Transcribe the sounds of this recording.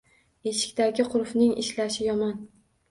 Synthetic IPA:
e̞ʃɪ̥kʲt̪aɡʲɪqʰʊɾfnɪŋɪ̰ʃlaʃɪjɒmɒn

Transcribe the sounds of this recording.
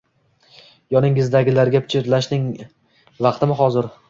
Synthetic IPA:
jɒnɪŋɪzd̪aɡʲɪlaɾɡʲapʰɪ̥t͡ʃʰɪɾlaʃnɪŋ | vɑqt̪ɪmɪɦɒzɪɾ

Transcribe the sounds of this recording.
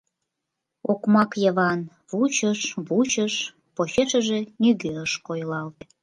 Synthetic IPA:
okmɑkjəβɑn | βut͡ɕəʃβut͡ɕəʃ | poɕeʃəʒenyɣøəʃkojlɑlt̪

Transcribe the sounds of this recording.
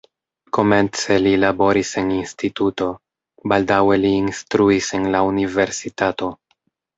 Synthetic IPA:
ko̞me̞nt͡se̞lilabo̞ɾise̞ninstituto̞ | baldawe̞liːnstɾuise̞nlaunive̞ɾsitato̞

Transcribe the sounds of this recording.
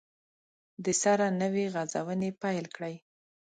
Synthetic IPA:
d̪əsaɾanəweɣazawənepajlkɽəj

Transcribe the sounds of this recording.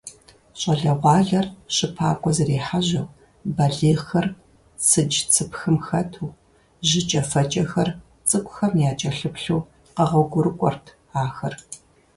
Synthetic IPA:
ɕʼɐɮɐʁʷɑːɮɐrɕɨpʰaːkʷʼɔzɐreːħaʑɐw | bɐɮeːxɐr | t͡sʰɨd͡ʒt͡sʰɨpxɨmxɐtʰuː | ʑɪt͡ʃʼɐfɐt͡ʃʼɐxɐr | t͡sʼɨkʷʼʊxɐmjaːt͡ʃʼɐɬɨpɬuː | qɐʁɐɡʷʊɾɨkʷʼɔ̰rtʰ | aːxɐr

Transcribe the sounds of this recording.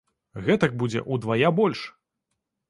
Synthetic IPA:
ɣɛt̪ɐk̚bud͡zʲɛ̰ʔud̪vajabɔlʲʂ

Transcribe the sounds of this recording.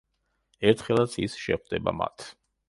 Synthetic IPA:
ɛɾt̪ʰχɛlˠat̪sʰisʃɛ̰χwd̪ɛba̰ma̰t̪ʰ

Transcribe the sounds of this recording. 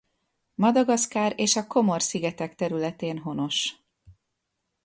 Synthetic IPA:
mɒd̪ɒɡɒskaːɾeːʃɒko̞mo̞rsiɡɛt̪ɛkt̪ɛɾylɛt̪eːnɦo̞no̞ʃ

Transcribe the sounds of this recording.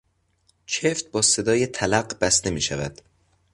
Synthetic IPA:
t͡ʃʰeft̪̚bɒːse̞d̪ɒːjet̪ʰælæɢb̥æst̪e̞miːʃævæd̪̥

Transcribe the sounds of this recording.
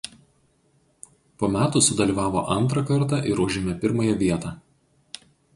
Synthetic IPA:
poːmʲæːt̪ʊˑsʊd̪ɐlʲiːˑʋɑːʋo̰ʔɐnt̪ɾɐkɐɾˑt̪ɑʔɪɾuːʒʲemʲɛpʲɪɾmɐjɛʋʲiɛt̪ɑː

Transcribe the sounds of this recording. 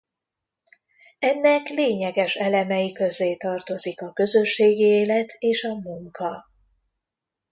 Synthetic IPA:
ɛnːɛkleːɲɛɡɛʃɛlɛmɛjikø̞zeːt̪ɒrt̪o̞zikɒkø̞zø̞ʃːeːɡieːlɛt̪ʰeːʃɒmuŋkʰɒ

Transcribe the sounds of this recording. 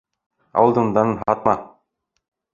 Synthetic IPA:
ɑ̰wɤlˠd̪und̪ɑnɤnɦɑt̪̚mɑ

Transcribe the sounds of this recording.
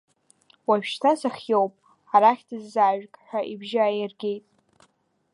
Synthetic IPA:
waɥʃtʰasaχʲjowpʼ | aɾaχʲdɨzːaːʒᶣkʼħʷᶣaʔibʒɪajɪrɡʲe̞jtʼ

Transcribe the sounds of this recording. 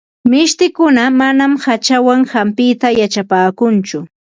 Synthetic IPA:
mɪʃt̪ɪkʊnamanamhat͡ʃawaŋhampɪt̪ajat͡ʃapaːkʊnt͡ʃʊ

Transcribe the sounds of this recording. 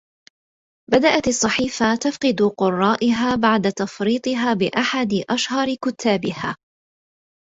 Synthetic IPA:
bad̪aʔat̪ɑsˤːɑħiːfat̪afqɨd̪ʊqʊrˤːɑːʔɪɦaːbaʕd̪at̪ɑfɾiːt̪ˤɨɦaːbɪʔaħad̪ɪʔaʃhɑɾkʊt̪ʰːaːbɪha̰ː

